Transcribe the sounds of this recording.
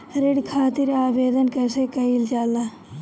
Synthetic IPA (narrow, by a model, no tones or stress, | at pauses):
ɾɪɽkʰaːt̪ɪɾaːʋeːd̪ənkɛːseːkɐild͡ʒaːlaː